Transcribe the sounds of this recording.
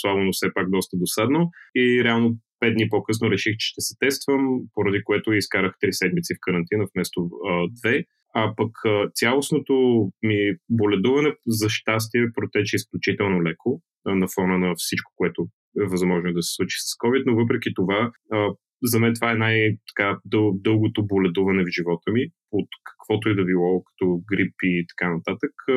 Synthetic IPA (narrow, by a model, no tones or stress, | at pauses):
slˠabonofsɛpak̚d̪ɔst̪əd̪osad̪noiɾɛalˠnopɛd̪d̪nipokɤsnoɾɛʃixt͡ʃɛ̥ʃt̪ɛsɛ̥t̪ɛst̪vəmpoɾɐd̪ikoɛt̪ʊiskaɾəxt̪ɾisɛd̪mit̪sifkəɾɐnt̪inəfmɛst̪od̪vɛ | apəkət̪sʲjalˠosnot̪omibolɛd̪uvɐnɛzɐʃt̪as̬t̪iɛpɾot̪ɛt͡ʃɛisklʲut͡ʃit̪ɛlˠnolɛko | nɐfɔnənɐfsit͡ʃko̥koɛt̪ʊ | ɛvɐzmɔʒnod̪ɐsɛ̥slˠut͡ʃi̥sɐ̥skɔvit̪novɤp̬ɾɛk̟it̪ovaə | zɐmɛnt̪ovaɛnajt̪ɐ̥kad̪ɤd̪ɤlˠɡot̪obolɛd̪uvənɛvʒivɔt̪əmi | ot̪kə̥kv̥ɔt̪oɛd̪ɐbilˠɔkɐ̥t̪ɔɡɾipiːt̪ɐ̥kanɐt̪at̪ək